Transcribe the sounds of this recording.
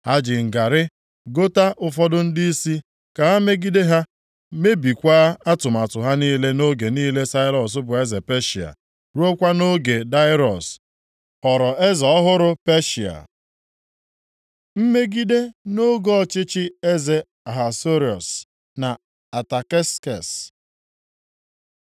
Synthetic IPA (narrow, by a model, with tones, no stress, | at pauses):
ha˦d͡ʒɪ˨ŋ̩˨ɡa˨ɾɪ˦ | ɡo˦ta˦ʔʊ˨fɔ˦dʊ˦n̩˦dɪ˦i˦si˦ | ka˨ɦa˦me˦ɡi˦de˦ɦa˦ | me˦bi˨kʷaː˦a˦tʊ˨ma˨tʊ˨ɦa˦niː˦le˦no˦ɡe˨niː˦le˦sa˦ɪ˦lɔ˨s̬ʊ˦bʊ˨e˦ze˨pe˦ʃi˨a̰˨ | ɾu˦o˦kʷa˦no˦ɡe˨da˦ɪ˦ɾɔ̰˨s | ɔ˨ɾɔ˨ʔe˦zɔ˨ɔ˦ɦʊ˦ɾʊ˦pe˦ʃi˨a̰˨ | m̩˦me˦ɡi˦de˦no˦ɡɔ˦ɔ˦t͡ʃɪ˦t͡ʃɪ˦e˦ze˨ | a˨ɦa˨so˦ɾi˨ɔ̰˨s | na˨ | a˨ta˨ke˦skɛ̰˨s